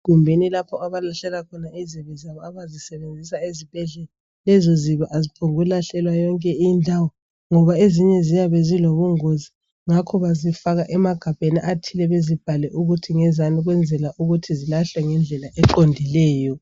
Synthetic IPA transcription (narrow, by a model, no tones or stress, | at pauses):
ɣumbʱenilapʰɔaβalaɬɛlakʰɔnaiziβɛzaβɔaβazisɛβend͡zʱisaezib̥ʱɛɮɛla | lɛzɔziβaʔazipʰoŋɣulaɬɛlwajɔŋkʼɛindʱawɔ | ŋɔβaeziɲɛzijaβɛziloβuŋozi | ŋakʰɔβazifaɣaʔɛmaɡ̥ʱab̥ʱeniʔatʰilɛβezib̥ʱalɛʔuɣutʰiŋɛzaniɣwɛnd͡zʱɛlaʔuɣutʰizilaɬɛŋɛnd͡ɮʱɛlaʔɛǃondʱilɛːjɔ